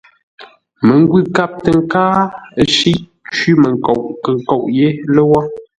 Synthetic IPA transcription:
mə˨ŋ˦ɡwi˦˨ka˦˨p̚tə˨ŋ˦kaː˦ə˨ʃi˦ʔ | t͡ʃi˦mə˨ŋ˨ko˨ʔkə˨ŋ˨ko˨ʔje˦lə˦wɔ˦

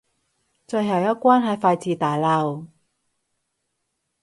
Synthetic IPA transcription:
t͡sɵ˧jɦɐ˨˩wjɐ˥t̚kʷaː˥nɦɐ˨˧˩jfaː˧jt͡siː˨t̪aː˨jlɐ˧w

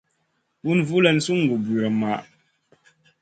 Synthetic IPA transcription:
bu˦nvu˦lɛ˨n̩˨su˦ŋ̩˨ɡu˨bwɔ˨ma˨ʔ

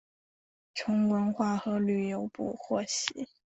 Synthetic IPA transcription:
ʈ͡ʂʰʊ˧˥ŋkwə˧˥nxwa˥˩xɤ˧˥ly˥˩jo˧˥ʊpṵ˥˧xwɔ˥˩ɕi˧˥˦

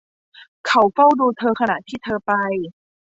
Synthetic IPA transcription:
kʰa˨˦wfa˥˩wduː˧t̪ʰɤː˧kʰa˧na̰˨˩ʔt̪ʰiː˥˩t̪ʰɤː˧pa˧j

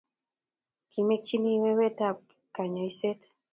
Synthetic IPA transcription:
ki˨˦me˦t͡ʃi˦ni˦we˦we˦ta˦p̚ | ka˨ɲɔ˨i˦se˦t

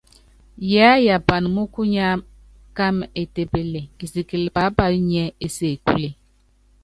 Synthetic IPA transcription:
jɛ˨a˦ja˨pa˨n˨mu˦ku˦ɲa˦ | ka˦me˨te˨pe˦le˨i˨si˨ki˨lpa˨˦pa˨˦ɲɛ˦e˨se˦˨kle˨

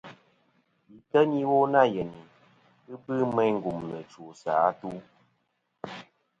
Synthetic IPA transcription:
i˨tə˦ɲi˦wo˦na˦˨jɛ˨ni˨ | ɨ˦bɨ˦mɛ˦jŋ̩˦˨ɡu˨mnə˨t͡ʃu˨saː˨˦tu˦

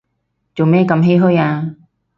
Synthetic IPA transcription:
t͡so˨wmɛː˥˩kɐ˧mɦe˥jɦɵ˥jaː˧

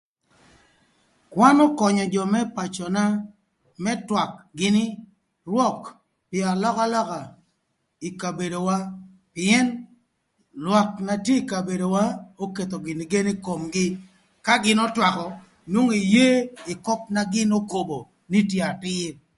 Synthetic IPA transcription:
kwa˦nɔ˦kɔ˨ɲɔ˨d͡ʒɔ˨mɛ˦pa˨t͡ʃɔ˨na˦ | mɛ˦twa˨kɡɪ˨nɪ˦ | rwɔ˦k | pɪa˨lɔ˦ka˦lɔ˦ka˨ | i˨ka˨be˨do˨wa˦ | pɪɛ˦n | lwa˨k̚na˨tje˦i˨ka˨be˨do˨wa˦o˦ke˨t̪o˨ɡɪ˨ni˨ɡe˦ni˦ko˨mɡɪ˦ | ka˦ɡɪ˦nɔ˦twa˨kɔ˨ | nwo˦ŋi˨je˦i˨kɔ˦p̚na˦ɡɪ˦no˦ko˨bo˨ | ni˦tje˦a˨tɪ˦

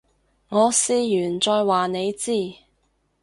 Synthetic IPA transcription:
ŋɔː˨˧siː˧jyː˨˩nt͡ʃɔː˧jwaː˨ne˨˧jt͡siː˥˩

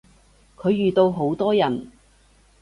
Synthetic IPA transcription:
kʰɵ˨˧ɥjyː˨˩t̪o˧wɦo˨˥wt̪ɔː˥jɐ˨˩n

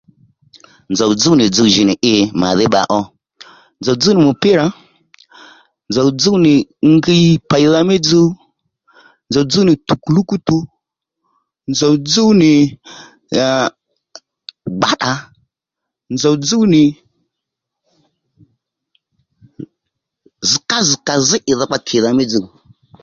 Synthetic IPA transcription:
nzɔ˨d͡zu˦nɪ˨d͡zu˦ʒi˨nɪ˨ʔɪ˦ma̰˨ðɪ˦ɓa̰˨ʔɔ˦ | nzɔ˨d͡zu˦nɪ˨mʊ˨pɪ˦ɾa˨ | nd͡zɔ˨d͡zu˦nɪ˨ŋɡi˦pa˨ji˨ða˦me˦d͡zu˦ | nd͡zɔ˨d͡zu˦nɪ˨tu˨ku˨lu˦ku˦tu˧ | nd͡za˨wd͡zu˦wni˨ | ɡ͡ba˨ɗa˨ | nza˨d͡zu˦wni˨ | zi˨ka˦zi˨ka˨zi˦ʔi˨ða˨k͡pa˦tʰi˨ða˨me˦d͡zu˦˨

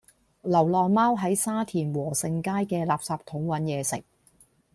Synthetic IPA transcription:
lɐ˨˩wlɔː˨ŋmaː˥wɦɐ˨˥jsaː˥t̪ʰiː˨˩nwɔː˨˩sɪ˨˧ŋkaː˥jkɛː˧laː˨p̚saː˨p̚t̪ʰʊ˨˧˥ŋwɐ˨˥njɛː˨˧sɪ̰˨k̚

